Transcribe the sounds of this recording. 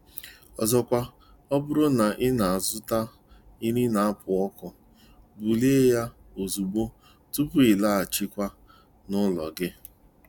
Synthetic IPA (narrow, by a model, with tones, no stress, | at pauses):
ɔ˨zɔ˨kʷa˦ | ɔ˦bʊ˦ɾʊ˦na˨ʔɪ˦na˨a˨zʊ˦ta˦ | i˦ɾi˦na˨a˦pʰʊ˨ɔ˦kɔ˨ | bu˨le˦ja˦ | o˨zu˨bo˦ | tu˦pʊ˦ɪ˨la˦a˨t͡ʃi˦kʷa˦ | nʊ˦lɔ̰˨ɡɪ˦